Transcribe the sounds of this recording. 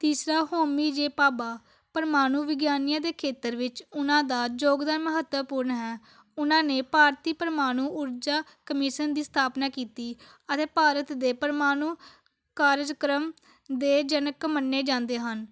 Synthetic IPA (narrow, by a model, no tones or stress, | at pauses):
t̪iːsɾaːɦoːmiːd͡ʒeːpaːbaː | pəɾmaːnũːʋɪɡjaːnijãːd̪eːkʰeːt̪əɾʋɪt͡ʃʊnãːd̪aːd͡ʒoːɡd̪ənməɦət̪wəpuːɾɳɦɛː | ʊnãːneːpaːɾt̪iːpəɾəmaːñuːʔʊɾd͡ʒaːkəmɪʃənd̪iːst̪ʰaːpnaːkiːt̪iː | ət̪eːpaːɾət̪d̪eːpəɾmaːnũː | kaːɾd͡ʒkɾəm | d̪eːd͡ʒənəkmənːeːd͡ʒãːnd̪eːɦən